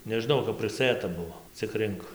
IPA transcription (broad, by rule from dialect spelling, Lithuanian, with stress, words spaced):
nʲɛʒʲɪˈnɐʊ kɐp pʲrʲɪˈsɘtɐ ˈbʊʋoː t͡sʲɪk ˈrʲɪŋk